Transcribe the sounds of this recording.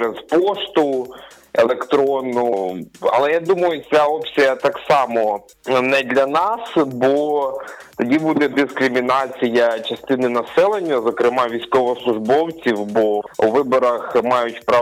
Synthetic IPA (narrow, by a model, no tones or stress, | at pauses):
ɾezpɔʃt̪ʊ | ḛlˠekt̪ɾɔnːɔɦʊɐ̰lˠɛjad̪umɐjʊt͡sʲaɔpsʲijɐt̪ɑksɑmɔ | nɛd̪lʲɐnɑsbɔ | t̪ɐdʲibud̪ɛd̪ɪskɾɪmʲinɑt͡sʲijɐt͡ʃɐst̪ɪnɪnɐsɛlˠenʲːɐzɔkɾɪmɑʋʲijsʲkɔʋɔslˠʊʒbɔwt͡sʲiwbɔuʋɪbɔɾɐxmɑjʊtʲpɾɑ